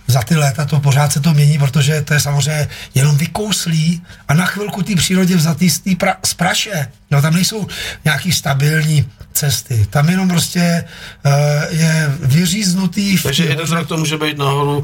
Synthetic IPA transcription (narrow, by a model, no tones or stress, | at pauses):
zat̪ɪlɛːt̪at̪o̞p̬or̝aːt̪sɛt̪̬omɲɛɲiːp̬ɾot̪̬o̞ʒɛt̪o̞jɛsamozrɛjɲɛjɛno̞mvɪkowsliːʔanaxʋɪlkut̪iːpr̥iːɾo̞ɟɛvzat̪ist̪iːpɾaspɾaʃɛjot̪amnɛjso̞wɲɛakiːst̪abɪlɲiːt͡sɛst̪ɪt̪amjɛno̞mpɾo̞scɛ | jɛvɪriːznut̪iːfʒɛjɛdnzɾak̚t̪omuːʒɛbɛjt̪naɦoɾu